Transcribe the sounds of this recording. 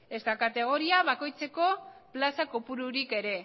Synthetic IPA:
e̞st̪akat̪e̞ɣ̞o̞ɾiaβako̞jt͡se̞ko̞plasakopuɾuɾike̞ɾe̞

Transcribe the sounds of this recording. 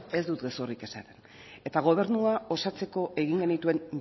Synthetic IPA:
e̞zd̪ut̪ɡe̞sorike̞sat̪e̞n | e̞t̪aɣ̞o̞β̞e̞ɾnuao̞sat͡se̞ko̞ʔe̞ɣiŋɡe̞nit̪ue̞n

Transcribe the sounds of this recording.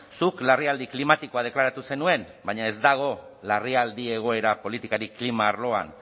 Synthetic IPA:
suklariald̪iklimat̪iko̞að̞e̞klaɾat̪use̞nue̞n | baɲae̞zd̪aɣ̞o̞lariald̪ie̞ɣ̞o̞e̞ɾapo̞lit̪ikaɾiklimaːɾlo̞a̰n

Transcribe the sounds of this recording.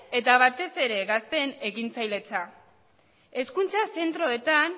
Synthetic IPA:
e̞t̪aβ̞at̪e̞se̞ɾe̞ɣast̪e̞ne̞ɣint͡sajle̞t͡sa | e̞skunt͡sase̞nt̪ɾo̞e̞t̪an

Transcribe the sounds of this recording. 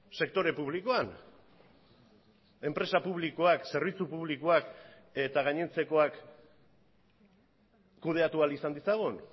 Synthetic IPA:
se̞k̚t̪o̞ɾe̞puβ̞liko̞an | e̞mpɾe̞sapuβ̞likoakse̞ɾβ̞it͡supuβlikoak | e̞t̪aɣ̞aɲe̞nt͡se̞ko̞ak | uð̞e̞at̪ualisand̪isaɣ̞un

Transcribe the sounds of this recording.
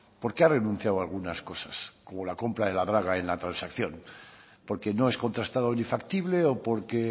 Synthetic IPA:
po̞ɾkeare̞nũn̟θjawalɣ̞unasko̞sasko̞mo̞lako̞mpɾað̞e̞laðɾaɣ̞ae̞nlat̪ɾansakθjo̞n | po̞ɾke̞no̞e̞sko̞nt̪ɾast̪aðonifakt̪iβle̞opo̞ɾke

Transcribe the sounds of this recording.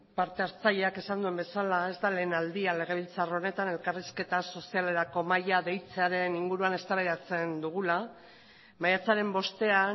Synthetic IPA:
paɾt̪e̞aɾt͡saʎe̞ake̞sand̪ue̞mbe̞salae̞zt̪ale̞ːnald̪iale̞ɣ̞e̞βilt͡saro̞ne̞t̪ane̞lkariske̞t̪aso̞siale̞ɾako̞majaðe̞jt͡seaɾe̞niŋɡuɾuane̞st̪aβaðat͡se̞nd̪uɣ̞ula | majat͡saɾe̞mbo̞st̪e̞a

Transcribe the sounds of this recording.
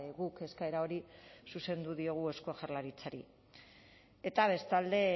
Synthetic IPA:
ɣuke̞skae̞ɾao̞ɾisuse̞nd̪uðio̞ɣ̞ue̞skoaʝarlaɾit͡saɾi | e̞t̪aβ̞e̞st̪ald̪e̞

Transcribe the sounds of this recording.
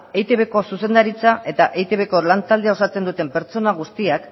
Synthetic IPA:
ejt̪e̞βe̞ko̞suse̞nd̪aɾit͡saʔe̞t̪aʔejt̪e̞βe̞ko̞lant̪ald̪eao̞sat͡se̞nd̪ut̪e̞mpe̞ɾt͡so̞naɣ̞ust̪iak

